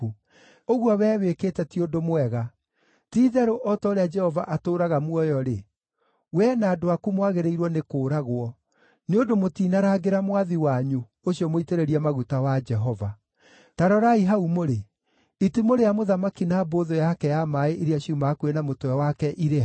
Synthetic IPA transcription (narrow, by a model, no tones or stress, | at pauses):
oɣwɔwɛːwekeːtɛtiodomwɛɣa | tiːðɛɾoʔɔtɔɾead͡ʒɛhɔvaʔatoːɾaɣamwɔjɔɾe | wɛnaːdoakumwaɣeɾeiɾwɔnekoːɾaɣwɔ | neondomotiːnaɾaɡeɾamwaðiwaɲu | oɕiɔmoiteɾeɾiamaɣutawad͡ʒɛɦɔva | taɾɔɾaiɦaumoɾe | itimoɾejamoðamakinaːboðojakɛjamaeʔeɾeaɕiumaːkuenamotɔɛwakɛʔiɾe